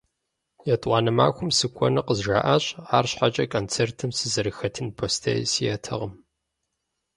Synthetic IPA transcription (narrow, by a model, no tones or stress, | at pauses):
jɛtʼʷɑːnɐma̰ːkʷʊmsɨkʷʰʼɔ̰nɨqəzʒa̰ːʔaːɕʼaːrɕħat͡ʃʼɐkʰʼont͡sʰeːrtʰɨmsɨzɐɾɨxɐtʰɨnpʰoːstʰɐ̰j̰sijɐtʰɐ̰ʁəm